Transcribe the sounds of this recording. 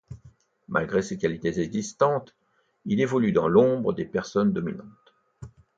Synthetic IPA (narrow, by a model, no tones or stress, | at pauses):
mʔa̰lɡʁesekʲalit̪ezɛɡzist̪ɑ̃t̪ | ilevɔlyd̪ɑ̃lɔ̃bʁəd̪epɛʁsɔnd̪ɔmḭnɑ̃t̪